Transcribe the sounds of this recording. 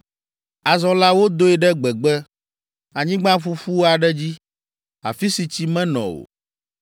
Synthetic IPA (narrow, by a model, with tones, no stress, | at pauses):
a˨zɔ̃˨la˦wo˦d̪o˦ɛ˨ɖɛ˦ɡ͡bɛ˨ɡ͡bɛ˦ | a˨ɲĩ˦ɡ͡bã˦ɸu˦ɸu˦a˨ɖɛ˦d͡ʑi˦ | a̰˨fi˦si˨t͡ɕi˦mɛ̃˦nɔ̰̃˨o̰˨